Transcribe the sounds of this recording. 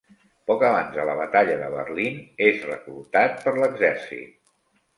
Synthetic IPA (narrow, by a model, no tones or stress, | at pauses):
pɔkəβanzðələβət̪aʎəðəβə̰rlinezrəklut̪at̪̚pəɾləɡzɛɾsḭt̪̚